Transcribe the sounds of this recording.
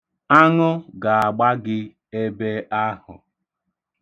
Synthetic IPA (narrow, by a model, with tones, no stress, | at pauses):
a˦ŋʊ˦ɡa˨a˨ɡ͡ba˦ɡɪ˦ | e˦be˦a˦hʊ̰˨